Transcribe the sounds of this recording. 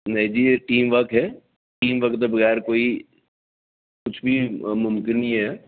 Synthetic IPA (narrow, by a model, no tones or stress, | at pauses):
nɐɦĩd͡ʒiːʈiːmʋɐkɦɛː | ʈiːmʋɐkt̪ebɐɣɛːɾkoːi | kʊt͡ʃʰbʱimʊmkɪnĩɦɛː